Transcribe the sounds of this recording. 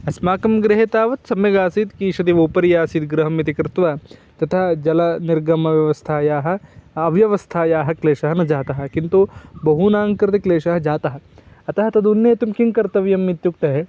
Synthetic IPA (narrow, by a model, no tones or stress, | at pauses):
ɐsmaːkɐmɡɾɪɦet̪aːʋɐt̪sɐmjɐɡaːsiːt̪kiʃɐt̪iʋoːpɐɾjaːsiːd̪ɡɾɐɦɐmit̪ikɾɪt̪ʋaːt̪ɐt̪ʰaːd͡ʒɐlɐniɾɡɐmɐʋjɐʋɐst̪ʰaːjaːɦɐ̆ːʋjɐʋɐst̪ʰaːjaːɦɐkleːʃɐɦɐnɐd͡ʒaːt̪ɐɦɐ̆kint̪ubɐɦunaːŋkɾɪt̪ikleːʃaːɦɐd͡ʒaːt̪ɐɦɐ̆ɐt̪ɐɦɐt̪ɐd̪unːeːt̪umkiŋkɐɾt̪ɐʋjɐmːit̪juk̚t̪ɐɦe